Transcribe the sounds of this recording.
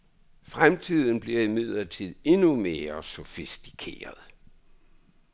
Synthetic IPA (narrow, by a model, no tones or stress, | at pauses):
fʁamt͡sʰiðˠn̩b̥liɐimið̰ˠlɐt͡sʰið̰ˠe̝nume̝ːɐsofisd̥i̥kʰe̝̰ːɐð̞ˠ